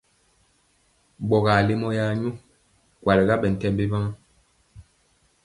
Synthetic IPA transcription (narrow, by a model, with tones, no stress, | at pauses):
ɡ͡bɔ˨ɣa˨le˦mɔ˦ja˦ɲu˦ | kwa˨le˨ɡa˦ɓɛ˨n̩˨tɛ˦˨mbe˦ba˦ŋ˦